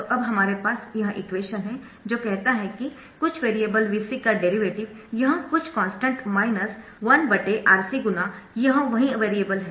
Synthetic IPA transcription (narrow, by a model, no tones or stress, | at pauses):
oʔɐbɦɐmaːɾepaːsjɐɦãʔɪkʋeːʃənɦɛ | d͡ʒoːkɛɦt̪aɦɛki | kʊt͡ʃʰʋeːɾijeːbəlʋiːsikaɖeːɾiʋeːʈɪʋ | jɐɦãkʊt͡ʃʰkɔ̃ːnsʈə̃ɳʈmaːɪnəs | ʋɐnbɐʈeʔaːɾsiɡʊna | jɐɦãʋɐɦĩɐʋeːɾiebəlɦɛ